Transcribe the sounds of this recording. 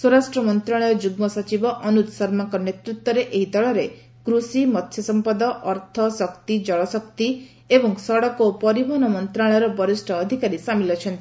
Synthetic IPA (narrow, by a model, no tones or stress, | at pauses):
soɾasʈɾɔmɔnt̪ɾaɭ̃ɔjɔd͡ʒuɡmɔsɔt͡ʃibɔʔɔnut̪sɔɾmaŋkɔnet̪ɾut̪wɔɾeʔeɦid̪ɔɭɔɾe | kɾusimɔt̪ʰjɔsɔmpad̪ɔʔɔɾt̪ʰɔsɔkt̪id͡ʒɔɭɔsɔkt̪i | ebɔŋsɔɽɔkopɔɾibʱɔɦɔnɔmɔnt̪ɾaɭ̃ɔɾɔbɔɾisʈʰɔːd̪ʱikaɾisamilɔt͡ʃʰɔnt̪i̥